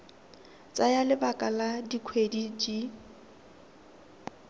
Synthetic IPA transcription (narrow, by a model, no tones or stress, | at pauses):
t͡sʼajalɪbakʼaladikʰwedid͡ʒi